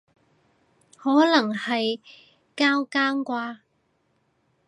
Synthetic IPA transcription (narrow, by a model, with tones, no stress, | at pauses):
hɔː˨˥lɐ˨˩ŋhɐ˨j | kaː˥wkaː˥ŋkʷaː˧